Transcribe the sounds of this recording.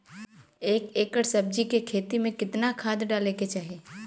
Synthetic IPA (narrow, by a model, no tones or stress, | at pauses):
eːkeːkəɽsɐb̚d͡ʒikekʰeːt̪imẽkɪt̪nakʰaːd̪ɖaːleket͡ʃaːɦeː